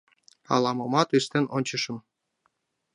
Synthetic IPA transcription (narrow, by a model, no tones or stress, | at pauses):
ɑ̰lɑmɤmɑt̪yʃt̪enonʲt͡ɕəʃə̆m